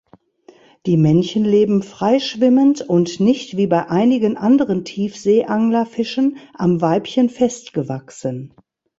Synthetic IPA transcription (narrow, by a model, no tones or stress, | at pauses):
d̥iːmɛnçənleːbm̩fʁ̥aɪʃv̥ɪməntʊntnɪçtv̥iːbaɪʔaɪnɪɡənʔandəʁəntʰiːfz̥eːʔaŋlɐfɪʃənʔamvaɪpçənfɛstɡ̥əvaksən